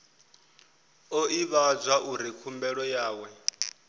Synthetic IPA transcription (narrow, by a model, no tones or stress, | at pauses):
ɔiβad͡zʷaʔuɾikʰumbɛɺɔjaːwɛ